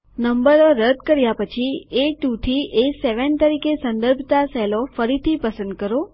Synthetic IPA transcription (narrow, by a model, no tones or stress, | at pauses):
nəmbəɾoɾəd̪kəɾjapət͡ʃʰieʈut̪ʰieseʋənt̪əɾikesənd̪əɾbʱt̪asɛlofəɾit̪ʰipəsə̃nd̪̚kəɾo